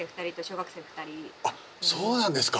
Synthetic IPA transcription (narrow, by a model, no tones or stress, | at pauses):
ẽːɸɯ̟t̪aɾʲit̪oɕo̞ːɡakɯ̥sẽːɸɯ̥t̪aɾʲia | so̞ːnãnd̪esɨ̥ka